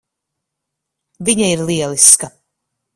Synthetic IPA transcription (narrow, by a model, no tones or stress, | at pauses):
viɲaiɾlˠiɛlˠiska